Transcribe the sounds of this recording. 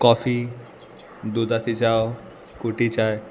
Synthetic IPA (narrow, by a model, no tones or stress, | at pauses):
kɔfʰi | d̪ud̪at̪ʰit͡ʃao | kuʈit͡ʃae